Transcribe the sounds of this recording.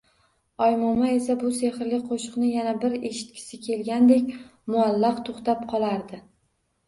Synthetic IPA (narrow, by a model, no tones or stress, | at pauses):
ɒjmɒmae̞s̬abʊse̞hɪɾlɪk̚ʲqʰoʃɨqnɪjanabɪɾe̞ʃɪ̥t̪̚kʲʰɪ̥sɪkʲʰe̞lɡʲand̪e̞kʲmʊalːɑqt̪ʰoχt̪ap̚qʰɒlˠaɾd̪ɪ